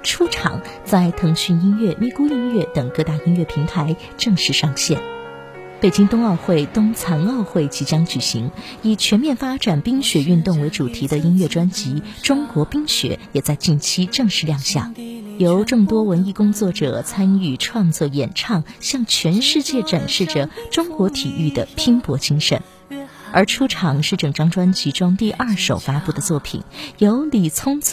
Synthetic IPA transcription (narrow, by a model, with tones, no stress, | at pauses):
ʈ͡ʂʰu˥ʈ͡ʂʰɑ̰˨˩˦ŋ | t͡sa˥˩ɪt̪ʰɤ˧˥ŋɕy˥˩i˥nɥɛ˥˩mi˥˩ku˥i˥nɥɛ˥˩t̪ɤ˨˩ŋkɤ˥˧t̪a˥˩i˥nɥɛ˥˩pʰi˧˥ŋt̪ʰa˧˥ɪ | ʈ͡ʂɤ˥˧ŋʂɻ̩˥˧ʂɑ˥˧ŋɕjɛ̰˥˩n | pe˨˩ɪt͡ɕi˥ŋt̪ʊ˥ŋɑ˥˧ʊxwe˥˩ɪt̪ʊ˥ŋt͡sʰa˧˥nɑ˥˧ʊxwe˥˩ɪt͡ɕi˧˥t͡ɕjɑ˥ŋt͡ɕy˨˩ɕḭ˧˥ŋ | i˨˩t͡ɕʰɥɛ˧˥nmjɛ˥˩nfa˥ʈ͡ʂa˨˩npi˥ŋɕɥɛ˧˥y˥˧nt̪ʊ˥˩ŋwe˧˥ɪʈ͡ʂu˨˩t̪ʰi˧˥d̪ə˧i˥nɥɛ˥˩ʈ͡ʂwa˥nt͡ɕi˧˥ʈ͡ʂʊ˥ŋkwɔ˧˥pi˥ŋɕɥɛ̰˧˥jɛ˨˩t͡sa˥˧ɪt͡ɕi˥˩nt͡ɕʰi˥ʈ͡ʂɤ˥˧ŋʂɻ̩˥˧ljɑ˥˧ŋɕja̰˥˩jo˧˥ʊʈ͡ʂɤ˥˩ŋt̪wɔ˥wə˧˥ni˥˧kʊ˥ŋt͡swɔ˥˩ʈ͡ʂɤ̰˨˩t͡sʰa˥ny˥˩ʈ͡ʂʰwɑ˥˧ŋt͡swɔ˥˩jɛ˨˩nʈ͡ʂʰɑ˥˩ŋɕjɑ˥˩ŋt͡ɕʰɥɛ˧˥nʂɻ̩˥˧t͡ɕjɛ˥˩ʈ͡ʂa˨˩nʂɻ̩˥˩ʈ͡ʂə˩ʈ͡ʂʊ˥ŋkwɔ˧˥t̪ʰi˨˩ʔy˥˩d̪ə˩pʰi˥ŋpwɔ˧˥t͡ɕi˥ŋʂə̰˨˩˦n | ə˞˧˥ʈ͡ʂʰu˥ʈ͡ʂʰɑ˨˩ŋʂɻ̩˥˩ʈ͡ʂɤ˨˩ŋʈ͡ʂɑ˥ŋʈ͡ʂwa˥nt͡ɕi˧˥ʈ͡ʂʊ˥ŋt̪i˥˧ʔɐ˞˥˩ʂo˨˩ʊfa˥pu˥˩d̪ə˩t͡swɔ˥˩pʰḭ˨˩˦njo˧˥ʊli˨˩t͡sʰʊ˥ŋ